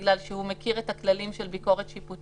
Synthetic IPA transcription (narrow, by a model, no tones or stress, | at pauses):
ɡlalʃehumekiʁethaklalimʃelbiko̞ʁet̪ʃiput